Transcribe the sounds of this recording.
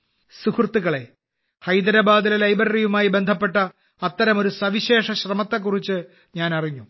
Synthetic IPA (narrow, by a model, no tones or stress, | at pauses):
sukʰrt̪ːiɣɐɭe̞ | hɐjd̪ɐɾɐbaːd̪ilelɐjbɐɾɐrijumaːjibe̞nd̪ʱɐpːe̞ʈːɐ | ɐt̪ːɐɾɐmo̞ɾusɐʋiɕe̞ːʂɐɕrɐmɐt̪ːek̬ːurit͡ɕːɨ | ɲaːnɐriɲːu